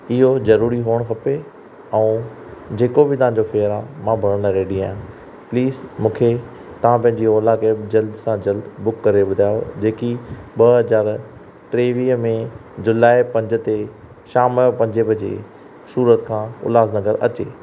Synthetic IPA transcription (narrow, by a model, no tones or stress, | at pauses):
ɪɦozɐɾuːɾiɦoːəɽ̃kʰɐpe | ɛ̃ː | d͡ʑeːkobɪt̪ɐʋ̤ãɲd͡ʑofeːɾamãbʱɐɽəɽ̃ɾeːɖiaːɦʊ̃ | pliːzmũːkʰe | t̪ɐʋ̤ãpɐ̃ɦɪ̃ɲd͡ʑiɔːlaked͡ʑɐld̪sãd͡ʑɐld̪bʊkːɐɾeɓʊd̪ʱaːjo̰d͡ʑeːkiɓɐɦɐzaːɾ | ʈɾeːʋiːɦmẽd͡ʑʊlaːipɐ̃ɲd͡ʑə̆t̪e | ʃaːməjopɐ̃ɲd͡ʑebʱɐd͡ʑḛ | suːɾət̪kʰãːʊ̰laːznɐɡəɾɐ̰t͡ɕeː